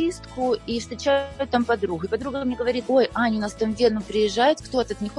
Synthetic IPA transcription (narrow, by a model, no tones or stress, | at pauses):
ist̪kʊifst̪ɾʲɪt͡ɕæjʊt̪ːampɐd̪ɾuɣʊɪpɐd̪ɾuɡəmnʲeɡəvɐɾʲit̪ojanʲɪnɐst̪əmvʲenʊpɾʲɪjɪʐːajʊt̪kt̪o̞t̪əɐt̪nʲɪxo